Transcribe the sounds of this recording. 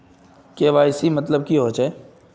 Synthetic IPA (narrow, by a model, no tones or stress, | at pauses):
keːʋaːjsimɐt̪ləb̚kiɦoːt͡ʃe